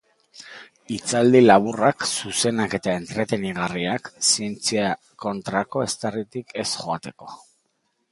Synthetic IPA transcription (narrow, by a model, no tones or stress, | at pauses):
it͡sald̪ilaβuraksuse̞nake̞t̪ae̞nt̪ɾe̞t̪e̞niɣariaksie̞nt͡sia | ko̞nt̪ɾako̞e̞st̪erit̪ike̞sχo̞at̪e̞ko̞̥